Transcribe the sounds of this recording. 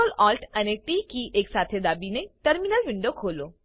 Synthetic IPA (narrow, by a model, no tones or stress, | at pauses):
əlɔlʈʰəneʈiːkiʔeːksaːt̪ʰed̪aːbineʈəɾminəlʋɪɳɖoːkʰoːlo